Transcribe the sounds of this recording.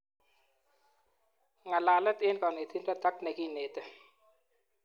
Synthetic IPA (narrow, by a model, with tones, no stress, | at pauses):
ŋa˨la˨lɛ˦t̪ʼe˦nkɔ˨ne˨t̪ʰi˦nta˦t̪a˦knɛ˨ki˦ne˨t̪ɛ˦